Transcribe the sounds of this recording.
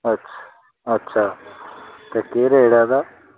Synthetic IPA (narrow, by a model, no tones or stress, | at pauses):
ətːʃʰa | ətːʃʰaː | t̪ekeɾeːɽaːd̪aː